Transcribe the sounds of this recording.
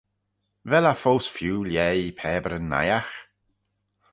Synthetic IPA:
vɛlafowsfjuːljɛːipʰɛːbəɾənːa̰jax

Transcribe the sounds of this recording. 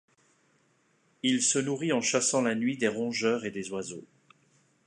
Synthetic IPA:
ilsənuʁiɑ̃ʃasɑ̃lanɥid̪eʁɔ̃ʒœʁed̪ezwazo

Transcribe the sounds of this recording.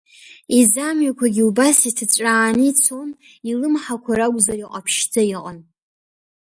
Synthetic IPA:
izamɥakʷʰaɡʲiubasitʰat͡sʷʼaːnit͡sʰo̞n | ilɨmħakʷʰaɾaɡʷʼzaɾiqʼapʰʃd͡zaiqʼa̰n

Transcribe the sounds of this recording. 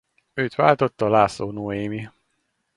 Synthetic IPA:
øːt̪ʋaːlt̪o̞t̪ːɒlaːsoːnoːeːmi

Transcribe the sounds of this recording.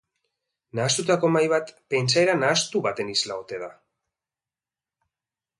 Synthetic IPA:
naːst̪ut̪ako̞majβat̪pe̞nt͡saeɾanaːst̪uβat̪e̞nislao̞t̪e̞ða

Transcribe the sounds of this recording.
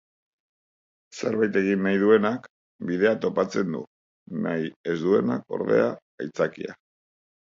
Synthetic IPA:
se̞ɾβajt̪e̞ɣ̞inːajðue̞nak | biðe̞at̪o̞pat͡se̞nd̪ṵ | na̰je̞zd̪ue̞na̰ko̞̰ɾðe̞̰aː | jt͡sakḭa̰

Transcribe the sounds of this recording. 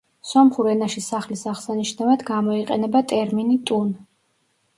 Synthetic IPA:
sɔmχuɾɛnaʃisaχlisaχsaniʃnavad̪ɡamɔiqʼɛnɛbat̪ʼɛɾminit̪ʼun

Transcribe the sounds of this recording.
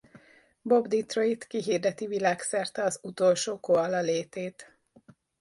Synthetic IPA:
bo̞bd̪it̪roit̪kiɦiːrd̪ɛt̪ivilaːksɛrt̪ɛɒzut̪o̞lʃoːkoɒlɒleːt̪eːt̪

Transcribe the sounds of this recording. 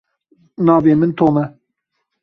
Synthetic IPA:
nɑːveːmɨnt̪ʰoːmɛ

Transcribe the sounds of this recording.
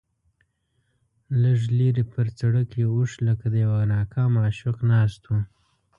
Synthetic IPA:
ləʐleɾepəɾt͡saɽəkeuʂləkad̪əjawanɑːkʰɑmɑːʃʊqnɑst̪u

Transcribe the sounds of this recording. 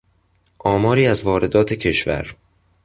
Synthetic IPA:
ʔɒːmɒːɾiːæzvɒːɾe̞d̪ɒːt̪ʰecʰe̞ʃvæ̰ɾ

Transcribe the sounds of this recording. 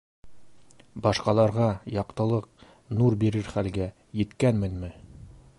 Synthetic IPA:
bɑʃqɑlˠɑɾʁɑjɑqt̪ɤ̆lˠɤq̚ | nuɾbiɾɘɾχælɡæ | jɘ̆t̪kænmɘ̆nmɘ

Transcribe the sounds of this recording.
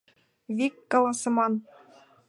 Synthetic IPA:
vʲikːŏlˠɑsɤ̆mɑn

